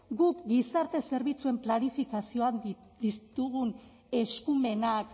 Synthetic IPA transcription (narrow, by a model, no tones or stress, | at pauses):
ɡukɡisaɾt̪e̞se̞ɾβ̞it͡sue̞mplanifikasio̞and̪ist̪uɣun | e̞skume̞nak